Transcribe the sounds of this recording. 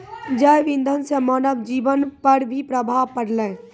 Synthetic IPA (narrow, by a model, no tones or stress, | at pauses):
d͡ʒəjʋĩnd̪ʱənsemɔːnəbd͡ʒiːʋənpəɾbʱipɾəbʱaːʋpəɽlẽː